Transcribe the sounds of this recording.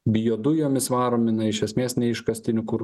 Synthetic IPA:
bʲɪjoːd̪ʊjoːmʲɪsʋɑːɾoːmʲɪnɐɪʃʲɛsʲmʲeːsnʲɛɪʃkɐsʲt̪ʲɪnʲʊkʊɾ

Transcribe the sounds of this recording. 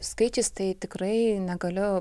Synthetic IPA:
skɐɪt͡ʃʲɪst̪ɐɪt̪ʲɪkɾɐɪnʲɛɡɐlʲʊ

